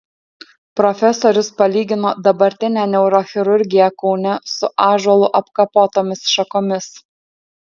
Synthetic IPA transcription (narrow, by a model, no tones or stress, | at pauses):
pɾɔfʲɛsoːɾʲʊspɐlʲiːɡʲɪnoːd̪ɐbɐɾʲt̪ʲɪnʲæːnʲɛʊɾoxʲɪɾʊɾʲɡʲɪjɛkɔʊnʲɛsʊʔɑːʒɐlˠʊʔɐpkɐpoːt̪oːmʲɪsʃɐkoːmʲɪs